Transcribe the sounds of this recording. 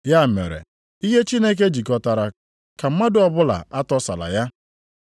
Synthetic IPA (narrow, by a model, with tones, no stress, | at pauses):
ja˦˨mḛ˨ɾḛ˨ | i˦ɦe˦t͡ʃi˦ne˦k̬e˦d͡ʒi˨kɔ˨ta˨ɾa˨ | ka˨m̩˦ma˦dʊ˨ɔ˦bʊ˦la̰˨a˦tɔ˦sa̰˨la̰˨ja˦